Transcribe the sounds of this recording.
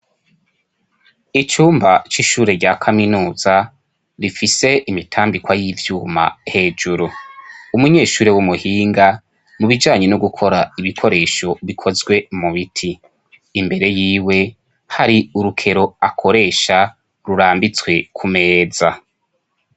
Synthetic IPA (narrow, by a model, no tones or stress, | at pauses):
it͡ʃuːmbat͡ʃiʃuːɾe̞ɟakʰaminuːz̥a | ɾifise̞ʔimitʰaːmbikwajivjuːma̰he̞ːd͡ʒuɾuumuɲe̞ːʃuːɾewumuhiːŋɡa | muβid͡ʒaːɲe̞nuɡukʰo̞ɾaiβikʰo̞ɾe̞ːʃo̞βikʰo̞zɡwe̞muβitʰiː | mbe̞ɾe̞jiːwe̞ | haɾiuɾukʰe̞ɾo̞akʰo̞ɾe̞ːʃa | ɾuɾaːmbit͡swe̞kʰume̞ːza